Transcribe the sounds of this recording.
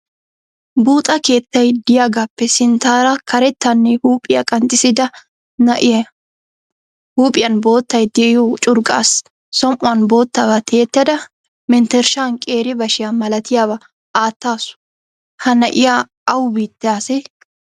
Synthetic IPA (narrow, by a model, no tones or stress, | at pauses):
buːt̪ʼɐke̞ːt̪ːɐjd̪ɪjaːɡapːɛsɪnt̪aːɾɐkʰɐɾɛt̪ːɐnːɛhuːpʼɪjɐkʼɐnt̪ʼːɪsɪd̪ɐ | nɐʔɪ | huːpʼɪjɐnbo̞ːt̪ːɐjd̪ɛʔɪjoːt͡ʃʼʊɾkʼa̰ːsː | ɔmʔʊɐnbo̞ːt̪ːaːbɐt̪ʰe̞ːt̪ːɐd̪ɐ | mɛnt̪ɛɾʃaːnkʼe̞ːɾɪbɐʃɪjamɐlɐt̪ɪjaːβɐ | aːt̪ːaːsʊ̥ | hɐnɐʔɪjaː | ɐwbiːt̪ːɪaːsɛ